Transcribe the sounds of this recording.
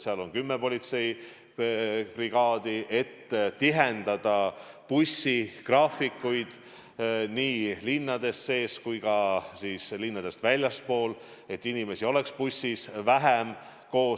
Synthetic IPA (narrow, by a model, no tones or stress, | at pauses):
seɑlo̞nkymːepo̞lʲit̪se̞j | priɡ̥ɑːd̪̥iʔe̞t̪ːt̪iɦend̪̥ɑd̪̥ɑ | pusːikrɑːfikːujd̪̥ | niːlinːɑd̪̥e̞sːe̞ːskujɡ̥ɑsiːslinːɑd̪̥e̞st̪vælʲjɑspo̞ːl | e̞t̪ːinime̞sio̞le̞kspusːisvæɦem | ko̞ː